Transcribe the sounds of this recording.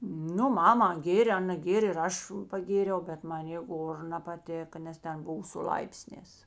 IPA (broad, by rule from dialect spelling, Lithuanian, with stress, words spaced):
ˈnʊ ˈmɑːmɐ ˈɡʲeːrʲeː ˈɑːnɐ ˈɡʲeːrʲeː ɪr ˈɐʃ pɐˈɡʲeːrʲɛʊ ˈbʲɛt ˈmɑːnʲeː ˈɡoːr nɐpɐˈtʲɪkɐ nʲɛs ˈtʲɛn ˈbʊʋɐ sʊ ˈlˠɐɪpʲsʲnʲɛːs